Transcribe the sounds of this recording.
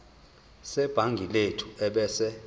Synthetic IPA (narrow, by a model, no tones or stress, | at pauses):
sɛb̥ʱaŋɡʱiletʰuɛɓɛsɛ